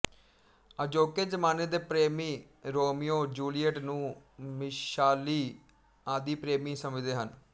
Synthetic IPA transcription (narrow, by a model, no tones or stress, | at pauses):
əd͡ʒoːkeːd͡ʒəmaːneːd̪eːpɾeːmiː | ɾoːmijoːd͡ʒuːliəʈnũːmɪʃaːliː | aːd̪iːpɾeːmiːsəməd͡ʒd̪eːɦən